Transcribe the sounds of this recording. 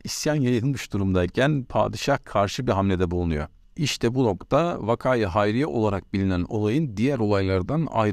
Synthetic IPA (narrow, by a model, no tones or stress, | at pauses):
isjanjajɯɯnmɯʃd̪uɾumd̪aicʰænpʰa̰ːd̪ɯʃahkʰaɾʃɯbiɦamlʲed̪ɛbulˠunujo | iʃt̪ʰɛbuno̞kt̪ʰavakʰaːjɯɦajɾijaʔo̞̰lˠaɾak̚bilʲinæno̞̰lˠajɯnd̪ijæɾo̞lˠajlˠaɾd̪ana̰jɾ